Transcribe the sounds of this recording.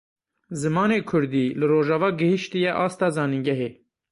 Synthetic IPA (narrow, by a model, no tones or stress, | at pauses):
zɨmɑːneːkʰʊɾd̪iːlɨroːʒɑːvɑːɡɨhɨʃt̪ɨjɛʔɑːst̪ɑːzɑːniŋɟɛɦeː